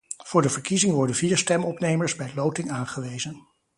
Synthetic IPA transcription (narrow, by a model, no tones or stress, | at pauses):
v̥ʊːɹdəvəɹkizɪŋʋɔɹdənviːɹstɛmɔpnejməɹzbɛjlowtɪŋaːnχəʋejzən